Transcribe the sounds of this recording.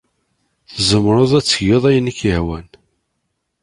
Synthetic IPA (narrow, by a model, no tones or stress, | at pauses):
θzəmːɾˤoðˤæt͡sːəʝeðˤæjnikːəhwæn